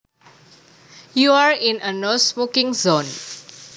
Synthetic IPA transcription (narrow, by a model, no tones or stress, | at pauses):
juaɹĩnənosmokĩŋzõn